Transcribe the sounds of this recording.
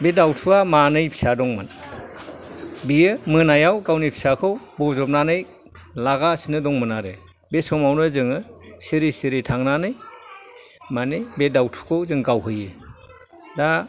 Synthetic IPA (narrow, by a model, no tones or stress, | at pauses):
bedawtʰuamanɯjpʰi̥sadɔŋmɯ̰n | biɯmɯnajawɡawnɯjpʰi̥sakʰɯwbɔzɔp̚nanɯj | laɡasinɯdɔŋmɯnaɾe | besɔmawnɯzɯŋɯsiɾisiɾitʰaŋnanɯj | manɯjbedawtʰu̥kʰɯwzɯŋɡawɦɯjɯ | da